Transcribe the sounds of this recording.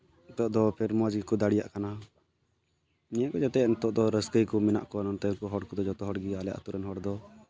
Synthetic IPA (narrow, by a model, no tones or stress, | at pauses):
t̪ɔʔd̪ɔpʰɛɾmad͡ʒɡikud̪aɽija̰ʔkana | nɛɛkɔd͡ʒat̪ɛnt̪ɔʔd̪ɔɾəskəjkɔmɛna̰ʔkɔnɔnt̪ɛnkuɦɔɽkɔd̪ɔd͡ʒɔt̪ɔɦɔɽɡialɛja̰ʔa̰t̪uɾɛnɦɔɽd̪ɔ